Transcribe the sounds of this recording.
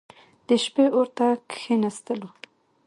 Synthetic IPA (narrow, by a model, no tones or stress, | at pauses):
d̪əʃpeoɾt̪akxenast̪əlo